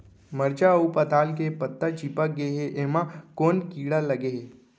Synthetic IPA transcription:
məɾd͡ʒaupət̪aːlk̬epət̪ːəd͡ʒipək̚ɡeɦeʔeːmãkoːnkiːɽalɐɡeɦe

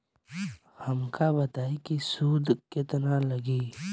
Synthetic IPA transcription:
həmkabɐt̪aːikisuːd̪kɪt̪nãləɡiː

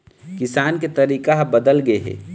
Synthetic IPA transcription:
kɪsaːnket̪ɐɾiːkaɦbəd̪əlɡəeɦɛ̰ː

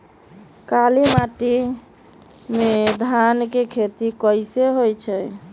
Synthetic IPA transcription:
kalimaʈi | med̪ʱankekʰet̪ikəɪseɦojt͡ʃʰɛj

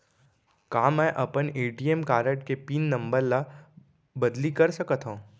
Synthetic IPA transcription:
kaːmɛ̃ːʔɐpəneːʈiːemkaːɾəʈkepiːnːɐ̃mbəɾla | bɐd̪likɐɾsɐkət̪ʰɦõː

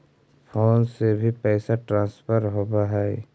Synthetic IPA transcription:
pʰoːnsebʱipɛːsaʈɾãːnspʰəɾɦoːbaɦɛː

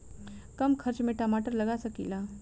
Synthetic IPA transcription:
kəmkʰəɾt͡ɕmeʈamaʈəɾləɡasəkila

